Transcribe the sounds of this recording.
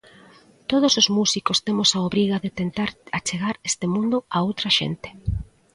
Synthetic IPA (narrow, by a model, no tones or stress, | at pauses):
t̪oð̞osozmusikost̪emʊsaoβɾiɣaðɪt̪ent̪aɾat͡ʃeɣaɾest̪emũnd̪ʊaowt̪ɾɐʃḛnt̪ɪ̥